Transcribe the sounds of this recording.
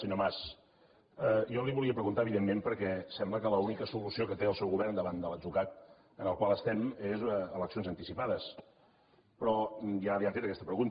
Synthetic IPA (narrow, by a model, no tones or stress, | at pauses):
səɲomas | əjɔliβuliəpɾəɣunt̪aəβiðemːempəɾkɛsɛmbləkələunikəsulusiokət̪eəlˠsɛwɣuβɛrnd̪əβand̪ələd͡zukak̪̚ | ənəlˠkwalˠəst̪ɛmezələksionzənt̪isipaðəs | pɾɔjaliafet̪əkɛst̪əpɾəɣunt̪